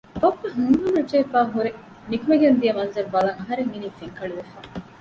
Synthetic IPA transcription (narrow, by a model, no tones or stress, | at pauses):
bɐkːɐɦuŋɡunɐd͡ʒeːfaːɦuɾe | nikumeɡend̪ijɐmɐnzɐɾbɐlɐŋɐɦɐɾeŋːiniːfiŋkɐɭiʋefaː